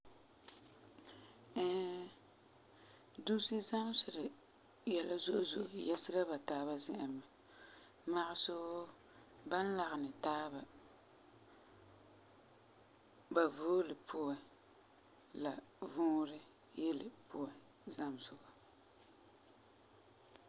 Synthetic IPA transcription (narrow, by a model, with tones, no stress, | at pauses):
ɛ˦ | du˦si˦za˦m˦sʊ˨ɾɪ˨ | jɛ˨la˦zʊ˦ʔʊ˦zʊ˨ʔʊ˨jɛ˦sɪ˦ɾa˦ba˨taː˦βa˦zɪ˦˨ʔɪ˨n˨ma˨ | ma˦ʔɪ˦so˦ | ba˦n̩˦la˨ɣɪ˨nɨ˨taː˦ba˨ | ba˨voː˦lɪ˨pʰʊ˦a˨ | la˨vʊː˦ɾɪ˦ | jɛ˦lɪ̰˨pʊ˦a˨ | za˦m˨sʊ˨ɡa˨